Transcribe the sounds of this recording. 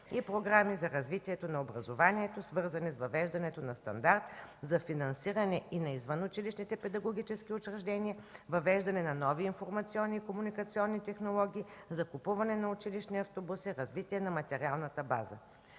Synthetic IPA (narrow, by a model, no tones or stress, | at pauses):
ipɾoɡɾamizɐɾɐzvit̪iɛt̪onɐobɾɐzovaniɛt̪osvɤɾzɐnisvɐvɛʒd̪ɐnɛt̪onɐst̪ɐ̰nd̪aɾt̪̚zɐfinɐnsiɾɐnɛinɐizvənʊt͡ʃiliʃnit̪ɛpɛd̪ɐɡoɡ̟ʲit͡ʃɛsk̟iʊt͡ʃɾɛʒd̪ɛnʲiəvɐvɛʒd̪ɐnɛnɐnɔviːnfoɾmɐt̪siɔnːiːkomunikɐt̪siɔnːit̪ɛxnolˠɔɡʲiːzɐkʊpuvɐnɛnɐʊt͡ʃiliʃniɐft̪obusiɾɐzvit̪iɛnɐmɐt̪ɛɾʲialˠnət̪əba̰zə̰